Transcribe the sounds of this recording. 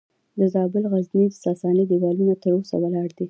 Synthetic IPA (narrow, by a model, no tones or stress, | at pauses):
d̪əzɑbɪlɣaznid̪əsɑsɑnid̪iwɑlunat̪əɾosa̰walɑɽd̪i